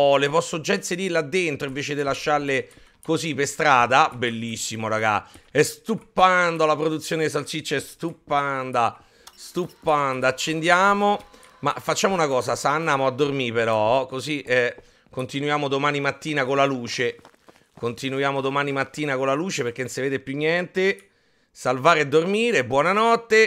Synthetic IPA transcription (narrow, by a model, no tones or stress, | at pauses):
ɔlepɔsːod͡ʒainsed̪iɾlead̪ːent̪ɾoiɱveːt͡ʃed̪ilaʃːarle | kozipːest̪ɾaːd̪abelːisːimoɾaɡa̰ɛst̪upːand̪alapɾod̪ut̪sːjoːned̪is̬alsit͡ʃːɛst̪upːand̪a | st̪upːand̪aːt͡ʃːend̪jaːmo | ma̰fːat͡ʃːaːmounakɔːsasanːaːmoad̪ːormipeɾɔkoziʔɛ | kont̪inujaːmod̪omaːnimat̪ːiːnakonlaluːt͡ʃe | kont̪inujaːmod̪omaːnimat̪ːiːnakolaluːt͡ʃeperk̟enseveːd̪epjuɲːɛnt̪e | salvaːɾead̪ːormiːɾebːwɔːnanɔt̪ːe